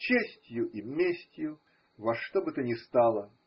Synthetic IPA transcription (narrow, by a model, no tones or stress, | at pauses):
t͡ɕesʲtʲjʊʔimʲesʲtʲjʊ | vɐʂt̪obɨt̪ənʲɪst̪alˠə